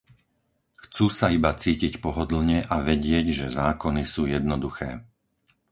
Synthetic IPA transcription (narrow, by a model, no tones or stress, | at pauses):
xt͡suːsaibat͡siːcicpɔɦɔd̪l̩ɲɛʔaʋɛɟɪɛɟʒɛzaːkɔnisuːjɛd̪̚nɔd̪uxɛ̰ː